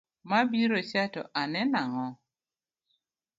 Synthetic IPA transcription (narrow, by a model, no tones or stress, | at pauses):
mabiɾot͡ʃatɔ̰ʔanɛnaŋɔ